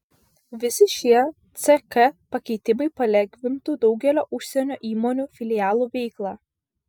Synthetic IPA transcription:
ʋʲɪsʲɪʃʲiɛ | t̪sʲɛkɛpɐkʲɛɪt̪ʲɪmɐɪpɐlʲɛɡʲʋʲɪmt̪uːd̪ɒʊɡʲɛlʲoːʔʊʃʲsʲɛnʲoːʔiːmoːnʲuːfʲɪlʲɪjæːlˠuːʋʲɛɪklˠɑː

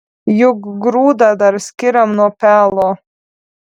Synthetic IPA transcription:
juɡɡɾuːd̪ad̪aɾsʲkʲiɾamnuɔpʲæːlˠɔː

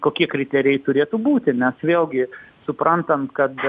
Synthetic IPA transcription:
koːkʲiɛkɾʲɪt̪ʲɛːɾʲɪjɛɪt̪ʊɾʲeːt̪uːbuːt̪ʲɪnʲɛsʋʲeːlˠɡʲɪsʊpɾʔɐnt̪ɐnkɐt̪

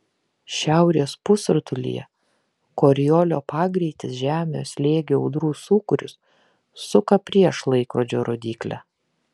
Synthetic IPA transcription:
ʃʲæˑʊɾʲeːspʊsʊɾt̪ʊlʲḭjɛ̰ | koːɾʲɪjoːlʲoːpɑːɡɾʲiɪt̪ʲɪsʒʲæːmʲɪjoːsʲlʲeːɡʲeɐ̰ʊd̪ɾuːsuːkʊɾʲʊsː | ʊkɐpʲɾʲiɛʃlˠɐɪkɾoːd͡ʒʲoːɾʔoːd̪ʲiːklʲæ̰ː

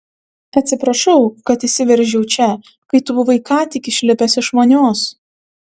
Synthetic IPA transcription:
ɐt̪ʲsʲɪpɾɐʃɒʊkɐt̪ɪsʲɪʋʲɛɾʲʒʲɛʊt͡ʃʲɛ | kɐɪt̪ʊbʊʋɐɪkɑːt̪ʲɪkʲɪʃʲlʲɪpʲɛsɪʃmoːnʲoːs

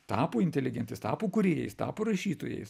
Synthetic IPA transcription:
t̪ɑːpoːɪnʲt̪ʲɛlʲɪɡʲɛnʲt̪ʲɪst̪ɑːpoːkʊɾʲeːjɛ̰ɪst̪ɑ̰ːpoːɾɐʃʲiːt̪oːjɛ̰ɪs

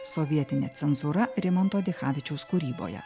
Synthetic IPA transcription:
ssoʋʲiɛt̪ʲɪnʲet̪sʲɛnzuɾɐɾʲɪmɐnt̪oːd̪ʲɪxɑːʋʲɪt͡ʃʲɛʊskuːɾʲiːbo̰ːjɛ̰

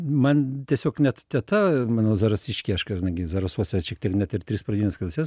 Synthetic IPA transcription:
mɐnt̪ʲiɛsʲoːknʲɛt̪tʲɛt̪ɐmɑːnoːzɐɾɐsʲɪʃʲkʲiɐɪʃkɐʒʲd̪ɐɪɡʲɪzɐɾɐsuɔsʲɛʃʲiɛkt̪ʲiɛknʲɛt̪ɪɾt̪ʲɾʲɪsprɐd̪ʲiːnʲɛskɐlˠʲsʲɛs

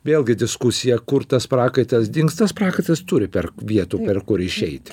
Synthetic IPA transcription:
ʋʲeːlˠʲɡʲɪd̪ʲɪskʊsʲɪjɛkʊɾt̪ɐspɾɑːkɐɪt̪ɐsd̪ʲɪŋkst̪ɐspɾɑːkɐɪt̪ɐst̪ʊɾʲɪpʲɛɾʋʲiɛt̪uːpʲɛɾkʊɾɪʃʲɛɪt̪ʲ

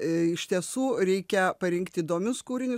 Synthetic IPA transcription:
ɪʃʲt̪ʲiɛsuːɾʲɛɪkʲɛpɐɾʲɪŋkt̪ʲiːd̪oːmʲʊskuːɾʲɪnʲʊ

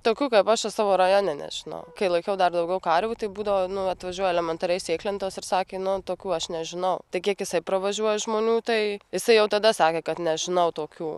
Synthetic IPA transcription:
t̪oːkʲuːkɐɪpɐʃɐsɑːʋoːɾɐjoːnʲɛnʲɛ̰ʒʲɪnɐ̰ʊkɐɪlˠɐɪkʲɛʊd̪ɐrd̪ɐʊɡʲɛʊkɑɾʲʋʲuːt̪ɐɪbuːd̪ɐʋoːnʊɐt̪ʋɐʒʲuɔjɛlʲɛmʲɛnt̪ɐɾʲɛɪsʲeːklʲɛnt̪oːsɪɾsɑːkʲeːnʊt̪oːkʲuːɐʃnʲɛʒʲɪnɐʊt̪ɐɪkʲiɛkjɪsɐɪpɾɐʋɐʒʲuɔjɛʒmoːnʲuːt̪ɐɪjɪsɐɪjɛʊt̪ɐd̪ɐsɑːkʲeːkɐt̪nʲɛʒʲɪnɐʊt̪oːkʲuː

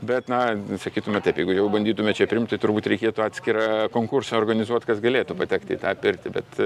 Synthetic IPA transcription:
bʲɛt̪nɐsɐkʲiːt̪ʊmʲɛt̪ɐɪpjɛɪɡʊjɛʊbɐnʲd̪ʲiːt̪ʊmʲɛt͡ʃʲɛpʲɾʲɪmt̪ɐɪt̪ʊrbuːt̪ɾʲɛɪkʲiɛt̪uɑːt̪ʲsʲkʲɪɾɑkoːŋkursɑorɡɐnʲɪzuɔt̪ʲkɐsɡɐlʲeːt̪upɐt̪ʲɛkt̪ʲɪ̰t̪ɑːpʲɪrʲt̪ʲɪbʲɛt̪

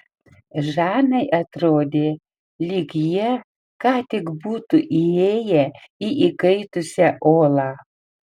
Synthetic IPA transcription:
ʒɑːnɐɪʔɐt̪ɾoːd̪ʲeː | lʲiɡjɛ | kɑːt̪ʲɪkbuːt̪uʔieːjɛiʔikɐɪt̪ʊsʲɛʔoːlˠɑː

